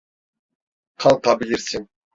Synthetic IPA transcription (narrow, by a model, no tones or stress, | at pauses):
qʰɑlˠqːɑbɪlʲeɾsiŋ